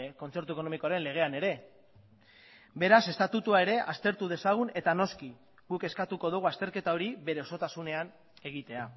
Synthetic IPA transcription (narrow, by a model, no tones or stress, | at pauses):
ko̞nt͡se̞ɾt̪ueko̞no̞mikoaɾe̞nle̞ɣ̞e̞ane̞ɾe̞ | be̞ɾase̞st̪at̪ut̪uae̞ɾe̞ʔast̪e̞ɾt̪uð̞e̞saɣ̞une̞t̪ano̞ski | ɣuke̞skat̪uko̞ð̞uɣ̞uast̪e̞ɾke̞t̪ao̞ɾiβe̞ɾe̞o̞so̞t̪asune̞an | e̞ɣ̞it̪e̞a